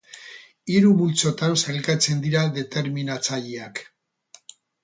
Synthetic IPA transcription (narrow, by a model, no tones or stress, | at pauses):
iɾuβult͡so̞t̪anselkat͡se̞nd̪iɾaðe̞t̪e̞ɾminat͡saʎiak